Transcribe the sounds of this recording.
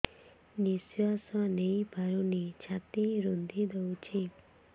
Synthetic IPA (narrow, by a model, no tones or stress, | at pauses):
nisjasɔnejbʱaɾunit͡ʃʰat̪iɾund̪ʱid̪ewt͡ʃʰi